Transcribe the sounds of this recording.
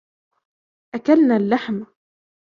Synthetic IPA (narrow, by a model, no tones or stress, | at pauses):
ʔakalnaːlːaħm